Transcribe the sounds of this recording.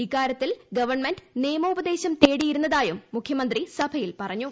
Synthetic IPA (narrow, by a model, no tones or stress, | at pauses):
ikːaːɾjɐt̪ːilɡɐʋɐrɳmenɖneːmɐubɐd̪e̞ːɕɐmt̪e̞ːɽijiɾunːɐðaːjumːukʰjɐmɐnd̪risɐbʱɐjilpɐrɐɲːu